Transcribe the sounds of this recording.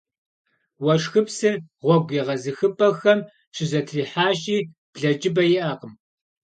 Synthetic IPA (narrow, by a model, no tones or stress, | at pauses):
wɐʂxɨpsɨrʁʷɔɡʷiʁɐzɨxɨpʼɐxɐm | ɕɪzɐtʰriːħaːɕiː | b̥ɮɐd͡ʒʼɪbɐjɪʔɐqəm